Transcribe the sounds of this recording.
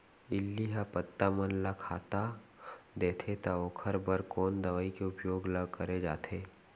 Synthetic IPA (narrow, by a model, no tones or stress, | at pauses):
ɪlːiɦapət̪ːamənlakʰaːt̪a | d̪eːt̪ʰet̪aoːkʰəɾbəɾkɔːnd̪ɐʋaːikeʊpjoːɡləɡkɐɾed͡ʒaːt̪ʰeː